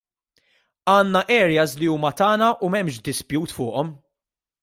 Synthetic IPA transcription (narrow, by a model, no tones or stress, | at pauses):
ɐːnːɐʔɛːɾjɐsliuːmɐt̪ɐːnɐʔumɛmʃ̬d̪ɪspjuːt̪fʊːʔɔm